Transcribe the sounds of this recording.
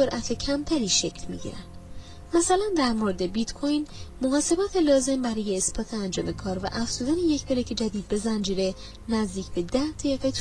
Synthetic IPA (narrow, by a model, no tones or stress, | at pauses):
soɾʔæt̪ʰecʰæmt̪ʰæɾiːʃecʰlmḭɟḭɾæ̰nd̪̥ | mæsælænd̪æɾmo̞ɾed̪e̞bit̪kʰojnmoɣɒːse̞bɒːt̪ʰelɒːze̞mbæɾɒːje̞ːsbɒːt̪ʰeænd͡ʒɒːme̞kʰɒːɾvæʔæfz̥uːd̪ænejecʰbeɾecʰed͡ʒæd̪iːd̪̚be̞zænd͡ʒiɾe̞ | næzd̪iːcʰbe̞d̪æhd̪ʰejeɣet̪ʰ